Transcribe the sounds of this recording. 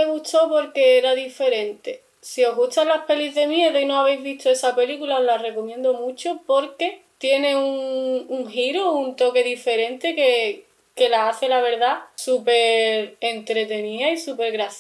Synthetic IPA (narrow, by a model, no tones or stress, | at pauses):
eɣut̪opo̞ɾke̞eɾaðife̞ɾe̞nt̪e̞ | sio̞ɦɣut̪alape̞lizðe̞mje̞ðoinoaβe̞jzβ̞it̪ʰoe̞sape̞likulaoɦlare̞ko̞mjẽ̞nd̪omũt͡ʃopo̞ɾke̞t̪je̞nẽ̞uŋːŋɦiɾount̪o̞ke̞ðife̞ɾẽ̞nt̪e̞ke | ke̞laaθe̞laβ̞e̞ɾðasupe̞ɾent̪ɾe̞t̪e̞niaisupe̞ɾɣɾaθ